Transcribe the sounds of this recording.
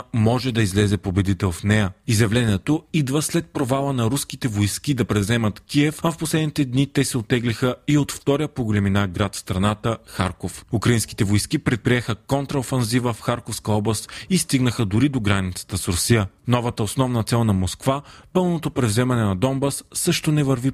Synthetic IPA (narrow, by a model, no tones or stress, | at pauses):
mɔʒɛd̪ɐizlɛzɛpobɛd̪it̪ɛlˠfnɛjəizjɐvlɛniɛt̪oid̪vəslɛt̪̚pɾovalˠənɐɾuskit̪ɛvojsk̟id̪ɐpɾɛvzɛmɐt̪kʲiɛfɐfposlɛd̪nit̪ɛd̪nit̪ɛsɛot̪ːɛɡlixəiot̪ft̪ɔɾijəpoɡolʲɛminaɡɾat̪fst̪ɾɐnat̪əxaɾkofukɾɐinski̥t̪ɛvojskipɾɛt̪̚pɾiɛxəkɔnt̪ɾəofɛnzivəfxaɾkofskəɔblˠəst̪ist̪iɡnəxəd̪ʊɾid̪oɡɾanit̪sə̥t̪əsɾʊsijənɔvət̪əosnɔvnɐt̪sɛlˠnɐmoskvapɤlˠnot̪opɾɛvzɛmɐnɛnɐd̪ɔmbasːɤʃt̪onɛvəɾvi